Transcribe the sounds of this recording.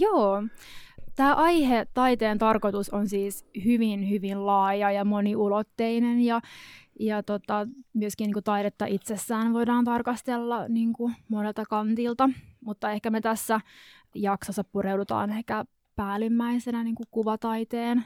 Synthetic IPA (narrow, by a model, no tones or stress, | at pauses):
joː | t̪æːʔɑjhet̪ɑit̪eːnt̪ɑrkot̪usonsiːshyʋinhyʋinlɑːjɑjɑmoniulot̪ːeinenjɑjɑt̪ot̪ɑmyøskiniːŋkut̪ɑiɾet̪ːɑʔit̪sesːæːnʋo̞idɑːnt̪ɑrkɑst̪elːɑniːŋkumonelt̪ɑkɑnt̪ilt̪ɑmut̪ːɑehkæmet̪æsːæ | jɑksosːɑppurewdut̪ɑ̰ːnehkæ | pæːlimːæisenæniːŋkukuʋɑt̪ɑit̪eːn